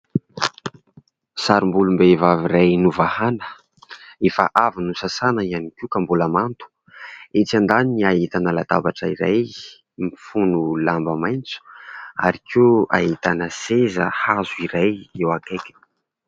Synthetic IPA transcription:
saɾumbulumbevaviɾajnuvahanə̥ | efə̰ʔavinusasanəianikʲikambulamant̪u̥ | et͡sand̪aniniait̪anəlat̪abaʈ͡ʂəiɾaj | mifunulambəmajnt͡su̥a̰ɾikʰia̰ɦit̪anəsezə̰hazuiɾajewakajkʲə̥

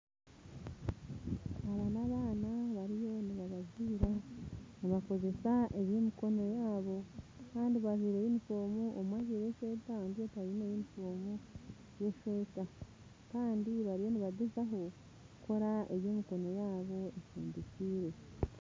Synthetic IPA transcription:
haβanaβaːnaβaɾijo̞niβaβaziːɾaniβako̞ze̞saʔe̞βjemiko̞no̞jaːβo̞kaːndiβaziːɾejimifo̞ːmuʔomwaɟeɾeʃwe̞ːtaandijotaβinejimifo̞ːmu | je̞ʃweːta | kaːndiβaɾijo̞niβadezaɦo̞ | kuko̞ɾaʔe̞βjoːmiko̞no̞jaːβo̞efṵːmdiciːɾe̞

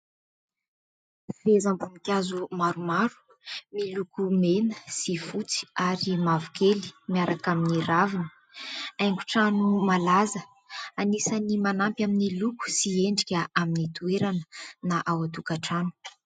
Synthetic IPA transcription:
vezambunikʲazumaɾumaɾu̥ | milukumenəsifut͡si̥aɾimavukʰeli̥miaɾakaminiɾavinə̥ | ajŋɡuʈ͡ʂanumalazə | anisənimanampjaminiluku̥sieɳɖ͡ʐikʲəʔaminit̪ueɾanə̥naʔawat̪ukaʈ͡ʂanu̥

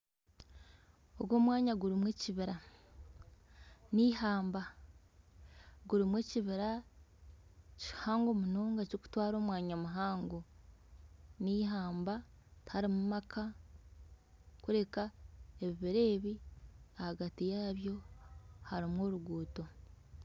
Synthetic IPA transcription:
oɡwo̞ːmwaːɲaɡuɾimweciβiɾa | niːhaːmba | ɡuɾimwe̞ciβiɾa | ci̥haːŋɡo̞munoːŋɡacoku̥twaːɾo̞ːmwaːɲamuɦaːŋɡo | niːɦaːmba | thaɾimumakʰa | kuɾe̞kae̞βiβiɾe̞ːβiahaɡatijaβjo̞haɾimwo̞ːɾuɡuːto̞

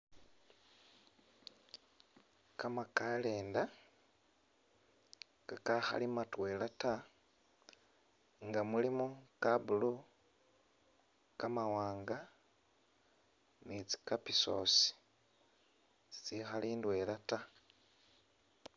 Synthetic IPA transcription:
kamakaleːnda | kakaxa̰limatwe̞lata | ŋɡamulimukabulu | kamawaːŋɡa | nit͡si̥kapisoːsi̥ | si̥t͡sixaliːndwelata

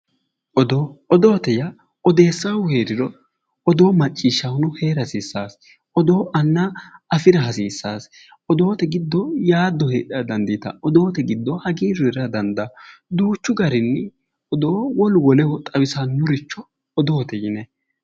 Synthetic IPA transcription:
ɔd̪oɔd̪oːt̪ɛjɐ | ɔd̪e̞ːsːawʊheːɾɪɾɔ | ɔd̪oːmɐt͡ʃʼːiːʃːɐhʊnʊheːɾɐsiːsːaːs | ɔd̪oːʔɐnːaɐfɪɾɐɦɐsiːsːaːs | ɔd̪o̞ːt̪ɛɡɪd̪ːɔjaːd̪ːɔhḛːᶑɪɐd̪ɐnd̪it̪ɐ̰ɔd̪oːt̪ɛɡɪd̪ːɔhɐɡiːɾɛɾɐd̪ɐnd̪ɐd̪uːt͡ʃːʊɡɐɾɪnːɪ | ɔd̪oːwɔlwɔlɛhɔt̪ʼɐbɪsanʊɾɪt͡ʃːɔ | ɔd̪o̞ːt̪ɛjɪnɛ

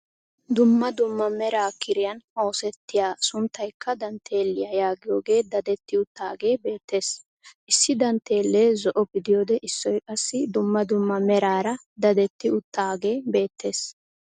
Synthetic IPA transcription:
d̪ʊmːɐd̪ʊmːɐmɛɾaːkɪɾɪjɐnhoːsɛt̪ːɪjaːsʊnt̪ːɐjkːɐd̪ɐnt̪ʰe̞ːlːɪjɐjaːɡɪjo̞ːɡe̞ːd̪ɐd̪ɛt̪ːɪʊt̪ːaːɡe̞ːbe̞ːt̪ːe̞ːs | ʔɪsːɪd̪ɐnt̪e̞ːlːeːzɔʔɔbɪd̪ɪjo̞ːd̪ɛʔɪsːɔjkʼɐsːɪd̪ʊmːɐd̪ʊmːɐmɛɾaːɾɐ | d̪ɐd̪ɛt̪ːɪʊt̪ːaːɡe̞ːbe̞ːt̪ʰːe̞ːs

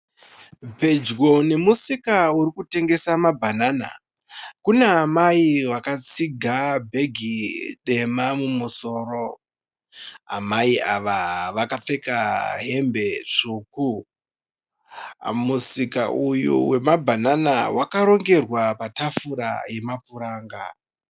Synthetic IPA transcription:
pe̞d͡ʒɡo̞ne̞musikauɾikute̞ŋɡe̞samabʱanaːna̰ | kuneamaiwakat͡siɡʱabʱe̞ɡʱiɗe̞mamumuso̞ːɾo̞ | ɦa̰maiaʋaʋakap͡fe̞kaɦe̞mbe̞t͡ʂuːku | musikaʔujṵwe̞mabʱananawakaɾo̞ŋɡe̞rwapatafuɾa̰je̞mapuɾaːŋɡa

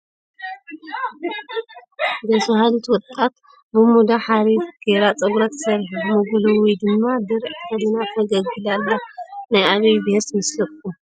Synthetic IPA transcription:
ɡɐsuhalit̪wɔt̪ʼːat̪ | bɨmud̪aħaɾifɡ̥eɾat͡sʼɐɡɾɐt̪ʰɨ̥sɐɾħumɨɡulɨwid̪ɨmːad̪ɨɾʕt̪ʰɐlinat̪ʰɐɡɐɡɨlalːanajʔaβɐjbheɾsmɨslɨkːu

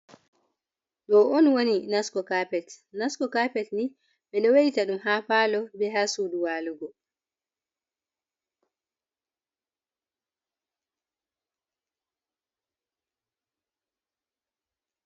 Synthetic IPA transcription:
ɗɔɔnwoninaskɔkapɛtnaskɔkaːpɛtni | ɓɛɗɔwejtaɗumɦaːpaːlɔbɛɦasuːɗuwaːluɡɔ

